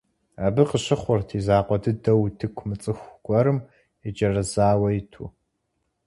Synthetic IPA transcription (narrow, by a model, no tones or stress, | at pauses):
aːbɨqəɕɪχʷʊrtʰiːzaːqʷɔdʰɨdɐwtʰɨkʷʰmɨt͡sʼɨxʷɡ̥ʷʼɔɾɨm | ɪd͡ʒɐrɐzaːwɐjɪtʰṵ